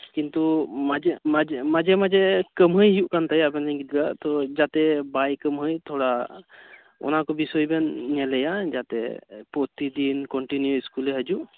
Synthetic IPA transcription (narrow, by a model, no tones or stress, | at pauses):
kint̪umad͡ʒɛmad͡ʒɛmad͡ʒɛmad͡ʒɛkəmɦəjɦijuʔkant̪ajabɛniɡit̪̚ɡat̪ɔd͡ʒat̪ɛbajkəmɦɯjt̪ʰɔɹa | ɔ̰nakɔbisɔjbɛnːɛlɛjazat̪ɛ̰pɔt̪id̪inkɔɳʈinjuiskulɛɦad͡ʒu